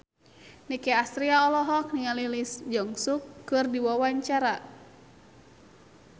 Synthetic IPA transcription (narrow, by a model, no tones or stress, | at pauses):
nikɛast̪ɾiaɔlɔɦɔk̚niŋalilisd͡ʒɔŋsukːɨrdiwawaɲt͡ʃaɾa